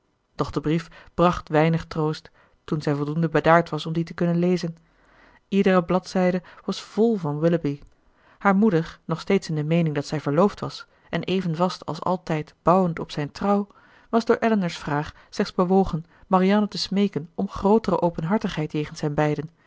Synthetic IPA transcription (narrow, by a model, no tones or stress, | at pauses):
d̥ɔχd̥əbrifb̥rɑχtʋɛjnəχtrowstː | unzɛjvɔlˠdundəbədaːɹtʋɑsɔmditəkɵnənlejzən | idərəblɑtsɛjdəʋɑsv̥ɔlˠvɑnwɪləbi | haːɹmudəɹnɔχstejtsɪndəmejnɪŋdɑtsɛjvəɹlowftʋɑs | ʔɛnʔejvənvɑstʰɑ̰lˠsɑ̰lˠtɛjtb̥ɑwəntɔpsɛjntrɑw | ʋɑzdʊːɹʔɛlənəɹsfraːχ | slɛχdzbəʋowχən | mariaːnətəsmejkənɔmχrowtərəʔowpənɦɑɹtəχɦɛjtjejχənsɦɛnbɛjdən